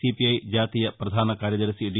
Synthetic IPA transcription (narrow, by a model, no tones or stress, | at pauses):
ipiɐjd͡ʑaːt̪ijɐpɾɐd̪ʱaːnɐkaːɾjɐd̪ɐɾɐsiɖi